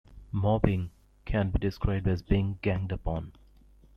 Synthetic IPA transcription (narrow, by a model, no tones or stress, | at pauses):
mɔbɪ̃ŋ | kʰæ̃nbidɪskɹaɪb̚ɖæzbiɪ̃ŋɡæ̃ŋdəpɔ̃n